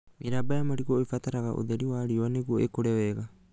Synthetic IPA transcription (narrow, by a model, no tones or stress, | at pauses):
miɾabajamaɾiɡoifataɾaɡa̰ʔo̰d̪eɾiwaɾioaneɡuoekoɾeoeɡa